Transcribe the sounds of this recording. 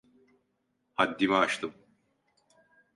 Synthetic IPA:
had̪ːimɛaʃt̪ʰɯm

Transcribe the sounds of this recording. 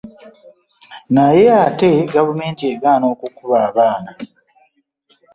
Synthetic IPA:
naje̞ate̞ɡavume̞ːntie̞ɡaːno̞ːkukuβaːβaːna

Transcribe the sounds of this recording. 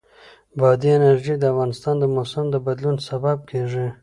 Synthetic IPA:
bɑd̪ienaɾʒid̪əafɣɑnɪst̪ɑnd̪əmosɪmd̪əbad̪lunsabab̚kʰeʐi

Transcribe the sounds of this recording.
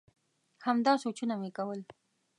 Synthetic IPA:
hamd̪ɑsot͡ʃunamekawəl

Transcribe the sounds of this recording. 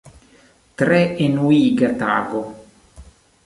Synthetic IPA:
t̪ɾɛenuiːɡat̪a̰ːɡo

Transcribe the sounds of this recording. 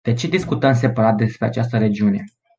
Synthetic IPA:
d̪̥e̞t͡ʃe̞d̪iskut̪əms̬e̞paɾat̪̚d̪e̞spɾe̞at͡ʃast̪əɾe̞d͡ʒiune̞

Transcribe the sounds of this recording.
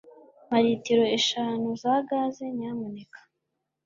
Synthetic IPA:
maɾiːtiɾo̞eʃaːnuzaɡaze̞ɲamunekḁ

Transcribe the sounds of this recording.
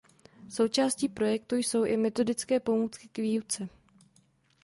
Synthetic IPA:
so̞wt͡ʃaːsciːpɾo̞jɛk̚t̪ujso̞wʔɪmɛt̪o̞dɪt͡skɛːpo̞muːt͡skɪkviːjut͡sɛ

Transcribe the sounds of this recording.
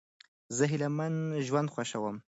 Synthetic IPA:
zəɦɪlamanʒwand̪xwaʃawəm

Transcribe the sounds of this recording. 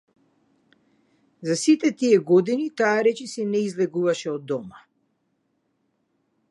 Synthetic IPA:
zasit̪ɛt̪ijɛɡɔd̪init̪aːɾɛt͡ʃisɛnɛizlɛɡuvaʃɛɔd̪ːɔma

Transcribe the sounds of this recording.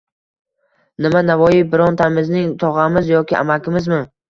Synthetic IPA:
nɪmanavɒjɪbɪɾɒnt̪ʰamɪznɪŋt̪ʰɒʁamɪzjɒkʲɪʔa̰makʲʰɪmɪzmɪ

